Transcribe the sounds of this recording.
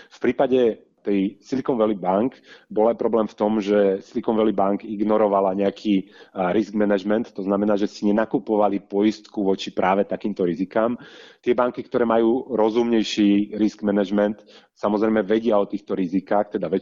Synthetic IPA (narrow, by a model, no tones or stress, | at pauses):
fpɾiːpaɟɛ | t̪ɛjsilikɔnʋɛlibaŋkbɔlajpɾɔblɛːmft̪ɔmʒɛsilikɔnʋɛlibaŋkiɡnɔɾɔʋalaɲɛakʰiːɾisɡmɛnaʒmɛnt̪ːɔznamɛnaːʒɛsiɲɛnakupɔʋalipɔjist̪kuʋɔt͡ʃipɾʔaːʋɛt̪akiːmt̪ɔɾizikaːmt̪ɪɛbaŋkikt̪ɔɾɛːmajuːɾɔzumɲɛjʃiɾisɡmɛnɛʒmɛnt̪ | samɔzɾɛjmɛʋɛɟɪaɔt̪iːxt̪ɔɾizikaːxt̪ɛd̪aʋɛ